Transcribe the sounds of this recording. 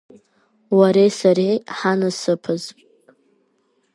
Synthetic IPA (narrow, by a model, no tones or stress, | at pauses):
waɾejsaɾeħanɨsɨpʰɨz